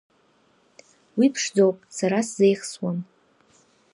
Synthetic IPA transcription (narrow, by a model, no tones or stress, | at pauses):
wipʰʂd͡zo̞wpʼsaɾasze̞jχswam